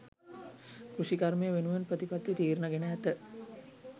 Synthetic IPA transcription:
kɾuʂikaɾmejəʋenuʋenpɾət̪ipat̪ːit̪iːɾnəɡenəɦæt̪ə

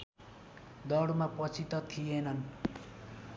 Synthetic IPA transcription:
d̪ʌɽmapʌt͡sʰit̪ʌt̪ʰijenʌn

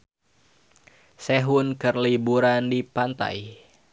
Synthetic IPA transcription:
sɛɦunkərlibuɾandipant̪a̰j

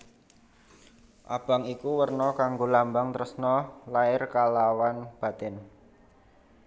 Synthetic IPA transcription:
ʔa̰b̥a̤ŋikuwərnɔkaŋɡolambaŋt̪əɾəsnɔlaɪrkalawanb̥a̤t̪ɛn

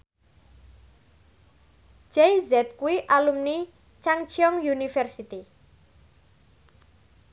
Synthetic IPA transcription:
d͡ʒ̥ɛjzɛt̪̚kuiʔalumni | t͡ʃaŋt͡ʃiɔŋjunifɛrsit̪i

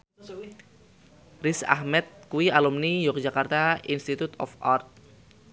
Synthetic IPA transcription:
risa̰hmɛt̪̚kuialumnijɔk̚d͡ʒakart̪ainst̪it̪ut̪ɔ̰fʔart̪̚

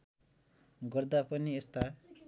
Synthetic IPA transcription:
ɡʌrd̪apʌniest̪a

